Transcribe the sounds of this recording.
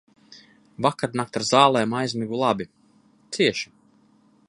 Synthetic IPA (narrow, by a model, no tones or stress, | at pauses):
vakaɾnak̚t̪aɾzaːlˠɛːmajzʲmiɡulˠabi | t̪siɛʃi̥